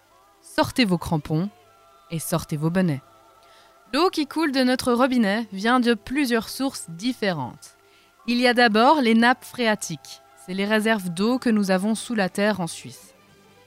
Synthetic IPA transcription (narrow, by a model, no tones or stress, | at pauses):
sɔʁt̪evokχɑ̃pɔ̃ | esɔʁt̪evobənɛ | lokʲikʰuld̪ənɔt̪χəʁəbinɛvjɛ̃d̪əplyzjœʁsuʁsd̪ifeʁɑ̰̃t̪ | iliad̪abɔʁlenapfχeat̪ʰik | sɛleʁezɛʁvd̪okənuzavɔ̃sulat̪ɛʁɑ̃sɥis